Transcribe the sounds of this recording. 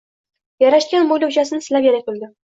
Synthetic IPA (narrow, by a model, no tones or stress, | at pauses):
jaɾaʃkʲanmojlʊwʃasɪnsɪlapjaɾabʊlˠd̪ɪ